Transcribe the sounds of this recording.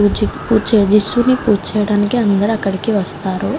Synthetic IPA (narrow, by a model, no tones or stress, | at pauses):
d͡ʒipuːt͡ʃɛjɐd͡ʒisːunipuːt͡ʃɛːjɐɽaːnikiɐnd̪ɐɾuɐkːɐɽikiʋɐst̪aːɾu